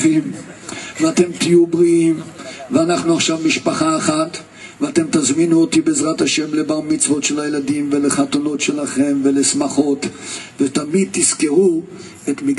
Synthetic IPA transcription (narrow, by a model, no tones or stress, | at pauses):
imveat̪e̞mt̪ijubʁiimveanaχnuaχʃavmiʃpaχaeχat | veat̪e̞mt̪azminuot̪ibeːzʁataʃe̞mlebaʁmit͡svo̞tʃelajeladimveleχat̪ono̞tʃelaχe̞mvelesmaχo̞t̪vet̪amid̪̚t̪iskeʁu | et̪miɡ